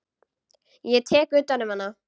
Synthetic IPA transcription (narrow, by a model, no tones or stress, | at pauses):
jɛt̪ʰɛːkʏːt̪ːanːʏmhanːa